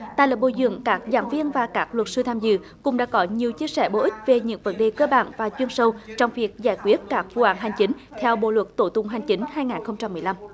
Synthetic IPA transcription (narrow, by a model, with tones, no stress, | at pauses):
t̪a̰ː˧˨jlə̰˨˩ɓo̰˧˩zɨ̰˧˨əŋkaː˦˥k̚za̰ː˧˦nvi˧ənvaː˨˩kaː˦˥k̚lwə˨˩t̚sɨ˧t̪ʰaː˧mzɨ̰˧˨ | kʊ̰˧˥ŋ͡mɗa̰ː˧˥kɔ˨˦ɲi˨˩əwt͡ɕi˧əsɛ̰˧˩ɓo̰˧˩ʔï˦˥k̚ve˨˩ɲɨ̰˧˥ŋvə˨˦nɗe˨˩kəː˧ɓa̰ː˧˨nvaː˨˩t͡ɕwi˧ənsə˧wt͡ɕɔ˧wŋ͡mvi˨˩ək̚zaː˧˩jkwi˦˥ət̚kaː˦˥k̚vu˧ʔaː˨˦ŋɦa˨˩jŋ̟t͡ɕi˨˦ŋ̟t̪ʰɛ˧wɓo̰˧˨lwə˨˩t̚t̪o˧˩t̪ʊ˧ŋ͡mɦa˨˩jŋ̟t͡ɕi˨˦ŋ̟haː˧jŋaː˨˩nxə˧wŋ͡mt͡ɕa˧mːɨ˨˩əjla˧m